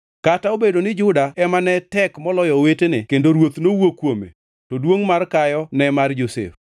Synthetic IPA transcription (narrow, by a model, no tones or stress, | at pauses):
kataobedonɪd͡ʒʊdaɛmanɛtɛkmɔlɔjɔwetenɪkendoɾwot̪nowokwomḛ | tɔdwoŋmarkajɔnɛmard͡ʒosḛf